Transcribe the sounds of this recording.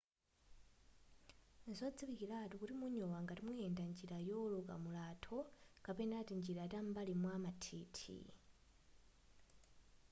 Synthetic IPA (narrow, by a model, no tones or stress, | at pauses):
nzɔd͡ziβikilatukutimuɲɔwaŋɡatimwujɛndand͡ʒiɾajɔlɔka̰mulatʰɔkapɛnatind͡ʒiɾatambalimwamatʰiːtʰḭ